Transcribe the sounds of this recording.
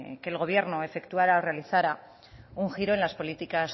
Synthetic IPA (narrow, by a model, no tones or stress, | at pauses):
ke̞ːlɣo̞β̞je̞ɾno̞e̞fe̞kt̪uaɾaore̞aliθaɾa | uŋxiɾo̞e̞nlaspo̞lit̪ikas